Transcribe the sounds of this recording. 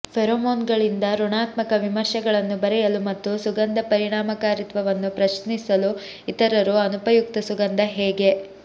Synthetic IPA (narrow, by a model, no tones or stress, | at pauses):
pʰɛɾoːmoːnɡɐɭind̪ɐɾɔɳaːt̪mɐkɐʋimɐɾʃɐɡɐɭɐnːubɐɾɛjɐlumɐt̪ːusuɡɐnd̪ɐpɐɾiɽaːmɐkaːɾit̪ʋɐʋɐnːupɾɐʃnisɐlu | it̪ɐɾɐɾuɐnupɐjuk̚t̪ɐsuɡɐnd̪ɐɦɛːɡe̞